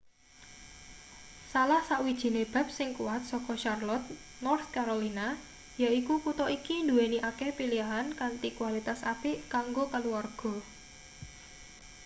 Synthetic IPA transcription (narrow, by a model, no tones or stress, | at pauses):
salahsaʔwid̥ʒ̥i̤neb̥a̤p̚sɪŋkuwat̪̚sɔkɔʃarlɔt̪̚ | nɔrt̪̚kaɾolina | jaikukut̪ɔʔikind̪uweniʔakɛhpiliaɦankant̪ikuwalit̪asapiʔkaŋɡokaluwarɡ̥ɔ̤